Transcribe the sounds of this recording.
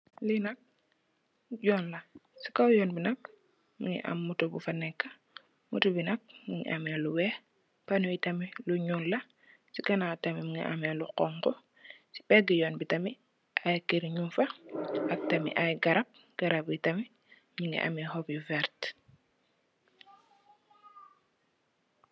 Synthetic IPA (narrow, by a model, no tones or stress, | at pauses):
linɐk̚ | ɟɔːnlɐsi̥kawjɔːnbinɐk̚ | miŋḭʔɐ̰mːutubufɐnɛkːɐ | mutubinɐk̚miŋḭʔamɛluwɛ | panujitɐmiluɲunlɐ | sikɐnatɐmimiŋḭʔamɛluqɔŋkɔ | si̥pɛɡijɔːnbitɐmi | ʔajkiɾɲumfɐʔɐk̚tɐmḭʔajɡɐɾɐp̚ | ɡ̥ɐɾɐbitɐmi | miŋḭʔa̰mihɔpjufɛɾt